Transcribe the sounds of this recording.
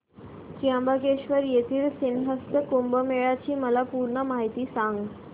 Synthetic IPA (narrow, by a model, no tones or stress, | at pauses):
kiambəkeɕʋəɾjet̪ʰiːlsinɦəst̪əkumbəmeɭat͡ɕiːməlapuɾɳəmaɦit̪iːsãŋɡ